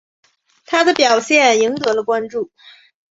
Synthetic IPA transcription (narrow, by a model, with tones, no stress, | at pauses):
t̪ʰa˥d̪ə˨pjɑ˨˩ʊɕjɛ˥˩ni˧˥ŋt̪ɤ˧˥lə˧kwa˥nʈ͡ʂu˥˩